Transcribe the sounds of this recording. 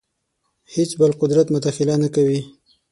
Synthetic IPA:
het͡sbəlqʊd̪ɾat̪mʊd̪axɪlanakawi

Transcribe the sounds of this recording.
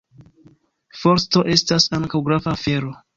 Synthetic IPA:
foɾsto̞ʔe̞stasaŋkawɡɾavaːfe̞ɾo̞

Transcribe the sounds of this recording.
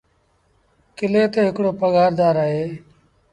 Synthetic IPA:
kɪleːt̪eːɦɪkɽoːpəɠaːɾd̪aːɾaːɦeː

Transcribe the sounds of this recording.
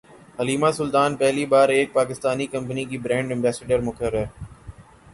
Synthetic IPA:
ɦɐliːmasʊlt̪aːnpɛɦlibaːɾeːk̚paːkɪst̪aːnikɐ̃mp̬ənikiːbɾɛ̃ːɳɖɪ̃mbɛːseɖəɾmʊkəɾəɾ

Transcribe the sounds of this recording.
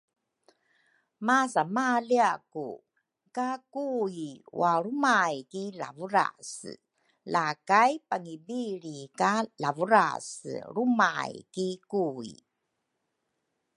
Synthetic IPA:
masamaliakṵ | kakuiwaɾumajkila̰vuɾa̰s | lakajpaŋibiɭikalavuɾa̰sɾumajkikuḭ

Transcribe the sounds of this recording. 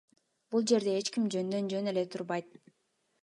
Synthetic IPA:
b̥ulˠd͡ʒe̞ɾd̪e̞et͡ʃkimd͡ʒønd̪ø̞nd͡ʒø̞ne̞le̞t̪ʰuɾbɑjt̪̚

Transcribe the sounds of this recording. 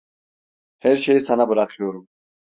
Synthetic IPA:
hæɾʃe̞jisanabɯɾakʰɯjo̞ɾum

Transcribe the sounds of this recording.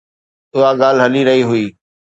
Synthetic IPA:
ʊɦaɠaːlɦɐliɾɐɦiɦʊiː

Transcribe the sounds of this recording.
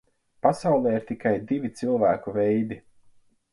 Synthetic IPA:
pasawlˠɛːiɾt̪ikajd̪ivʲit̪silˠvæːkuvɛjd̪i

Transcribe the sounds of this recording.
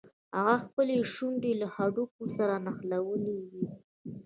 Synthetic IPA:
haɣaxpəleʃuɳɖelahaɖuk̚osaɾanaxlawəlewi

